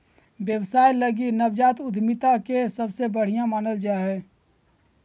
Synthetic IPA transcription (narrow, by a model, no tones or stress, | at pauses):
bjəwsaːjləɡinəbd͡ʒaːt̪ʊd̪ʱmɪt̪akesəbsebəɽ̤ijãmaːnəld͡ʒaːɦɛː